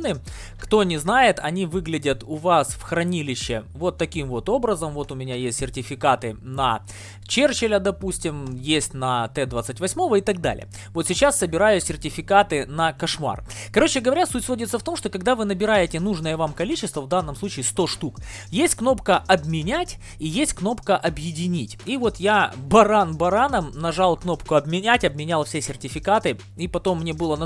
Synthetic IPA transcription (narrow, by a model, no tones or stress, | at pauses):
nɨ | kt̪o̞nʲɪznajɪt̪ɐ̰nʲivɨɡlʲɪdʲət̪ʊvasfxɾɐnʲilʲɪɕːɪvo̞t̪ːɐkʲimvo̞t̪o̞bɾəzəmvo̞t̪ʊmʲɪnʲajesʲtʲsʲɪrtʲɪfʲɪkat̪ɨnɐ | t͡ɕert͡ɕɪlʲəd̪ɐpusʲtʲɪmjesʲtʲnɐt̪ɛd̪vat̪sɨtʲvɐsʲmo̞vəɪt̪ɐɡ̚d̪a̰lʲɪ̰jə | vot̪sʲɪt͡ɕasːəbʲɪɾajʊsʲɪrtʲɪfʲɪkat̪ɨnɐkɐʂma̰rkɐɾo̞t͡ɕɪɡəvɐɾʲasutʲsvo̞dʲɪt̪səft̪o̞mʂt̪o̞kɐɡ̚d̪avɨnəbʲɪɾajɪtʲɪnuʐnəjəvamkɐlʲit͡ɕɪst̪vəvd̪anːəmsˠut͡ɕɪːst̪o̞ʂt̪uk | jesʲtʲkno̞pkəʔɐbmʲɪnʲætʲ | ijesʲt̚ʲkno̞pkəʔɐbjɪdʲɪnʲitʲivo̞t̪jabɐɾanbɐɾanəmnɐʐalˠkno̞pkʊɐbmʲɪnʲætʲɐbmʲɪnʲalˠfsʲesʲɪrtʲɪfʲɪkat̪ɨ | ipɐt̪o̞mːnʲe̞bɨlˠən